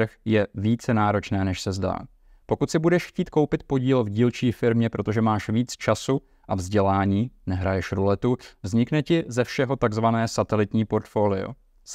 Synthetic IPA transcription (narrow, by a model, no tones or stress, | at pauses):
ɾ̩xjɛviːt͡sɛnaːɾo̞t͡ʃnɛːnɛʃsɛzda̰ː | po̞kut̪sɪbudɛʃxciːt̪̚ko̞wpɪt̪̚po̞ɟiːlvɟiːlt͡ʃiːfɪɾmɲɛpɾo̞t̪o̞ʒɛmaːʃviːt͡st͡ʃasu | ʔavzɟɛlaːɲiːnɛɦɾajɛʃɾulɛt̪uvzɲɪknɛcɪzɛfʃɛɦo̞t̪aɡzvanɛːsat̪ɛlɪt̪ɲiːpo̞ɾt̪foːlɪo̰